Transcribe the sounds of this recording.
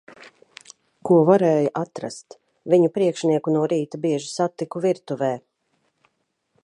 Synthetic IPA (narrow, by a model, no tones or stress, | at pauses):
kuɔvaɾɛːjuʔat̪ɾa̰st̪ | viɲupɾiɛkʃniɛkunuɔɾiːt̪abiɛʒi̥sat̪ːikuviɾt̪uvɛː